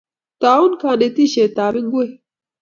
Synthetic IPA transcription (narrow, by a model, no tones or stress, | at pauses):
t̪aːunkʰaːnet̪iɕeːt̪aːɾɪŋɡue